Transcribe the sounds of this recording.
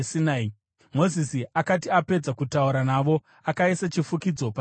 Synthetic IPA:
sinai | mo̞zisiakatiape̞d͡zakutauɾanaʋo̞ | akaisat͡ʃifukid͡zo̞pa

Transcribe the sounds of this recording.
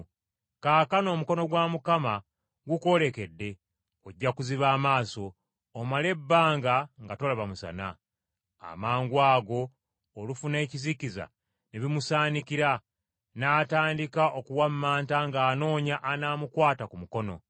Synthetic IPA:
kaːkano̞ːmuko̞no̞ɡwamukama | ɡuko̞le̞ke̞dːe̞ | oɟːakuziβaːmaːso̞ː | male̞bːaːŋɡaŋɡato̞laβamusa̰na̰ | a̰maːŋɡwaːɡo̞ː | lufune̞ːciziciza̰ | neβimusaːnikiɾa | naːtaːndikaʔokuwammaːntaŋɡaːno̞ːɲaʔanaːmukwaːtakumuko̞no̞̰

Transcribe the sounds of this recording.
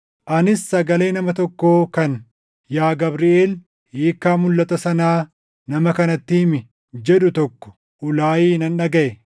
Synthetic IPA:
ʔɐnɪsːɐɡɐle̞ːnɐmɐt̪ɔkːoːkɐn | jaːɡɐbɾɪeːl | heːkːaːmʊlːɐt̪ɐsɐnaː | nɐmɐkɐnɐt̪ːiːmɪ | d͡ʒɛᶑʊt̪ɔkːɔ̥ | ʔʊlaːjiːnɐnᶑɐɡɐʔɛ

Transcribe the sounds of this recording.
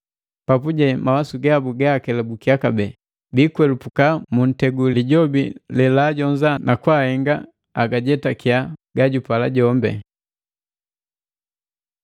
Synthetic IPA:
papuɟɛmawasuɡabuɡakɛlabukiakabɛ | bikwɛlupukamun̩tɛɡulliɟɔbḭlɛlaɟɔɲzanakwahɛŋɡa | aɡaɟɛtakiaɡaɟupalaɟɔmbɛ̰

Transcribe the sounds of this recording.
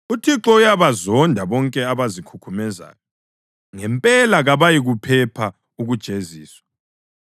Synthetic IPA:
utʰiǁɔujaβazɔndʱaβɔŋkʼɛaβazikʰukʰumɛza̰ːjɔ | ŋɛmpʼɛlaɣaβajiɣupʰɛpʰa | uɣud̥ʒ̥ʱeziːswḁ

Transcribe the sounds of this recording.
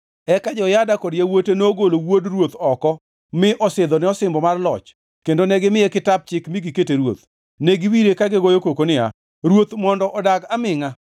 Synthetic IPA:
ɛkad͡ʒɔjadakɔdjawotenoːɡolowodrwot̪ɔkɔ | mɪʔɔsɪd̪ɔnɛɔsɪmbɔmarlɔt͡ʃ | kendonɛɡɪmɪekɪtab̚t͡ʃɪkmɪɡiketeɾwo̰t̪ | neɡiwiɾekaɡɪɡojokokonɪa̰ | ɾwot̪mɔndɔʔɔdaɡamɪŋa

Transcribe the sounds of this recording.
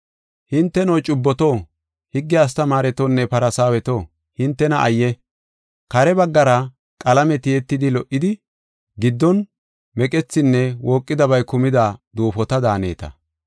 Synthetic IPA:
hɪnt̪ːɛnɔjt͡ʃʼʊbːɔt̪o | hɪɡːɪɐs̬t̪ɐmaːɾɛt̪onːɛpɐɾɐsaːwɛt̪oː | hɪnt̪ːɛnɐʔɐjːɛ | kɐɾɛbɐɡːɐɾɐ | kʼɐlɐmɛt̪ɪɛt̪ːɪd̪ɪlɔʔːɪd̪ɪ | ɡɪd̪ːɔn | mɛkʼɛt͡sːɪnːɛwoːkʼːɪd̪ɐbɐjkʊmɪd̪ɐd̪uːfɔt̪ɐd̪aːnḛːt̪ɐ̰

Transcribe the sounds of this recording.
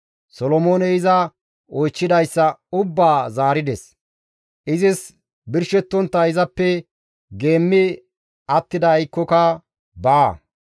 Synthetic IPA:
sɔlɔmoːnɛɪzɐ | ɔjt͡ʃːɪd̪ɐjsːɐʊbːaːzaːɾɪd̪ɛs | ʔɪzɪs | bɪɾʃɛt̪ːɔnt̪ːɐɪzɐpːɛ | ɡe̞ːmːɪ | ɐt̪ːɪd̪ɐːjkːɔkɐ | baː

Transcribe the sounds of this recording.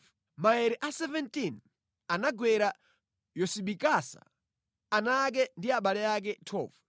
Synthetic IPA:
maɛɾiʔasɛvɛntin | anaɡwɛɾa | jɔsiɓikasa̰ː | nak̬ɛndiaɓalɛak̬ɛtʰɔ̰ːvu

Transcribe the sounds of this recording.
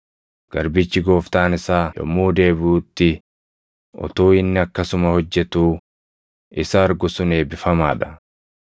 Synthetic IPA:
ɡ̥ɐɾbɪt͡ʃːɪɡo̞ːft̪aːnɪsaːjɔ̰mːuːd̪e̞ːbuːt̪ːɪ | ʔɔ̰t̪oːɪnːɪɐkːɐsʊmɐhɔd͡ʒːɛt̪uː | ɪsɐːɾɡʊsʊne̞ːbɪfɐma̰ːᶑɐ

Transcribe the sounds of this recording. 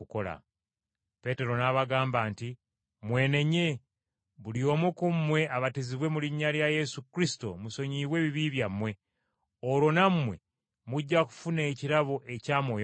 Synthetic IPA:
ukola̰ | pe̞te̞ɾo̞naβaɡaːmbaːnti | mwe̞ːne̞ɲe̞ | βulio̞ːmukumwe̞aβatiziβwe̞muliɲːaɾjaje̞sukɾisi̥to̞̰muso̞ɲiːβwe̞ːβiβiβjamːwe̞ | oɾwo̞nammːwe̞ | muɟːaku̥fune̞ːciɾaβoʔe̞caːmoj

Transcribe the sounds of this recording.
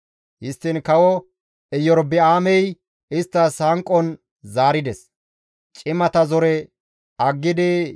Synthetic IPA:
hɪst̪ːɪnkɐwɔ | ɛjɔɾbɛaːmɛj | ɪst̪ːɐshɐŋkʼːɔn | zaːɾɪd̪ɛs | t͡ʃʼɪmɐt̪ɐzɔɾɛ | ɐɡːɪd̪ɛ

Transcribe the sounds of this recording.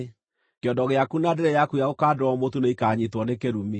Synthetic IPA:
keɔdɔɣeakunadeɾɛjakujaokaːdɔmotuneikaɲitwɔnekeɾumi

